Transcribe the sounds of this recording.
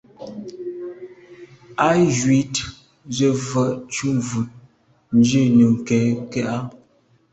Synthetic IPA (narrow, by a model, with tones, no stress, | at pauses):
a˦ʒwi˨t | zə˨və˨ʔt͡ʃu˦mvu˨t̚ | n˦d͡ʒe˦˨nə˨ŋ̩˨kɛ˨˦kɛ˦ʔa˦